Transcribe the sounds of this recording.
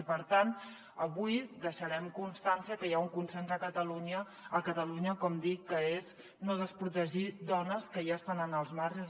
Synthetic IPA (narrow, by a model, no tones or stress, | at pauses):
ipəɾt̪ant̪ | əβujd̪əʃəɾɛmkunst̪ansiəkəjauŋkunsenzəkət̪əluɲəː | kət̪əluɲəkɔmd̪ikːəez | noðəspɾut̪əʒid̪ɔnəskəjast̪anənəlˠzmarz